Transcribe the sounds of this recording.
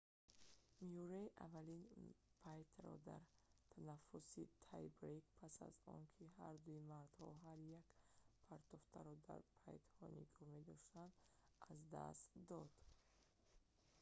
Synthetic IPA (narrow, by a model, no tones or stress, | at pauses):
mijɔɾaiʔavːalinpʰajt̪ʰɾɔ̰d̪a̰ɾt̪ʰanafusit̪ʰajbɾekpʰasa̰zɔ̰nkʰihaɾd̪uimaɾd̪hɔɦaɾjakpʰaɾt̪ɔft̪ʰa̰ɾɔd̪a̰ɾpʰa̰jt̪hɔ̰nḭɡɔme̞d̪ɔʃt̪and̪azd̪a̰st̪d̪ɔd̪̥